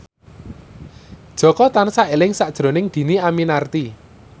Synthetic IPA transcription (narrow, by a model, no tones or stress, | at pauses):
d̥ʒ̥ɔ̤kɔt̪ansaelɪŋsad̥ʒ̥ɾo̤nɪŋd̪̥i̤niaminart̪i